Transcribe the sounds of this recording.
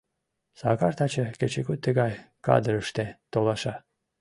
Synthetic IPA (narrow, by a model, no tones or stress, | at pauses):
sɑ̰kɑrt̪ɑt͡ɕəket͡ɕekut̪ːəɣɑj | kɑ̰d̪əɾəʃt̪et̪olɑʃɑ